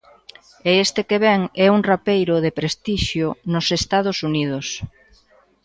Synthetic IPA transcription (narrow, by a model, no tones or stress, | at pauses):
eest̪ekeβɛŋɛuŋrapejɾʊðepɾest̪iʃjʊnʊsest̪að̞ʊsuniðʊs